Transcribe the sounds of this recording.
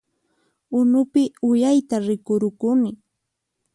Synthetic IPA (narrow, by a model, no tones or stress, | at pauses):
ʊnʊpɪʊjajt̪aɾɪkʊɾʊkʊmɪ